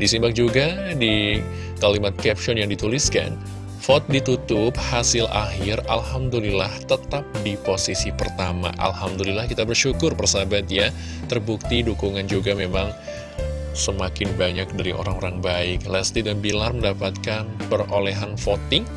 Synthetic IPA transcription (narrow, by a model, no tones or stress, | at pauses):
disimbak̚d͡ʒuɡadi | kalimat̪̚kɛp̚ʃɔnjaŋdit̪uliska̰n | fɔt̪̚dit̪ut̪ʊp̚hasɪlaɦɪralhamdulilaht̪ət̪ap̚diposisipərt̪ama̰ʔa̰lhamdulilahkit̪abərʃukʊrpərsabat̪̚ja | t̪ərbuk̚t̪idukuŋand͡ʒuɡamemaŋ | səmakɪnbaɲak̚daɾiʔo̰ɾaŋoɾaŋbaɪk̚lɛst̪idanbilarməndapat̪̚kanpəroleɦanfot̪ɪŋ